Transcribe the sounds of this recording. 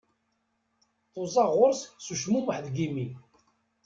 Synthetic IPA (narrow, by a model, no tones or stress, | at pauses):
θozˤɑʁʊɾssuʃmuməħðɡimi